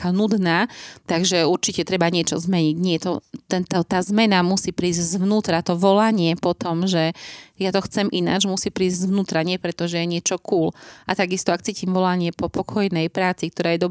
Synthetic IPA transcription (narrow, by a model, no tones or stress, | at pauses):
kanud̪naːt̪aɡʒɛuɾt͡ʃicɛt̪ɾɛbaɲɪɛt͡ʃɔ̰zmɛɲiɟɲɪɛt̪ɔt̪ɛnt̪ɔt̪aːzmɛnamusiːpɾiːzzʊnuːt̪ɾat̪ɔʋɔlaɲɪɛpɔt̪ɔmʒɛjat̪ɔxt͡sɛmʔina̰d͡ʒmusipɾiːzɟzʋnuːt̪ɾaɲɪɛpɾɛt̪ɔʒɛjɛɲɪɛt͡ʃɔkuːlʔat̪aɡist̪ɔakt͡siːcimʋɔlaɲɪɛpɔpɔkʰɔjnɛjpɾaːt͡sik̚t̪ɔɾaːjɛd̪ɔ